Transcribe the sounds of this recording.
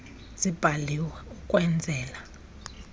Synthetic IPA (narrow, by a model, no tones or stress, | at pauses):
z̥ib̥ʱaliwɛukʼwɛnd͡zʱɛːla